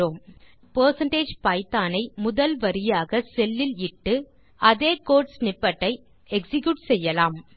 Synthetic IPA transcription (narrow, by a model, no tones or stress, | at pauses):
oːm | pɐːɾsɐɳʈeːd͡ʒpaːɪt̪ːaːnɐɪmʊðɐlʋɐɾɪjaːɣɐsɛlːɪlɪʈːɯ | ʔɐðeːkoːʈsnɪpːɐʈːɐɪ | ɛksɪkjuʈsɛjːɐlaːm